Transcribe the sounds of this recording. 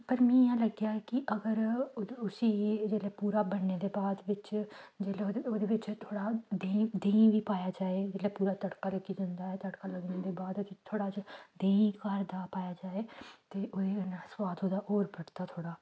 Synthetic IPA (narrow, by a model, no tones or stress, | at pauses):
pəɾmɛ̃ːjãːləɡjaːɛkɪʔəɡəɾʊsiːd͡ʒeːlɛːpuːɾaːbəɽneːd̪eːbaːd̪ʋɪt͡ʃd͡ʒeːleoːd̪eːʋɪt͡ʃt̪ʰoːɽaːd̪ẽːd̪ẽːĩʋiːpaːjaːd͡ʒaːeːd͡ʒeːlɛpuːɾaːt̪əɽkaːləɡiːd͡ʒãːnd̪aːɦɛːt̪əɽkaːləɡneːd̪eːbaːd̪t̪it̪ʰoːɽaːd͡ʒd̪eːĩkaːɾd̪aːpaːjaːd͡ʒaːeːt̪eːʔoːd̪enəswaːt̪oːd̪aʔoːɾpəɽt̪aːt̪ʰoːɽaː